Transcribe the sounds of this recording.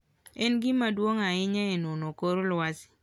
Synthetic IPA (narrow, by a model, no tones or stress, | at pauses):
ɛnɡɪmadwoŋaɪɲɛenonokoɾolwasɪ̥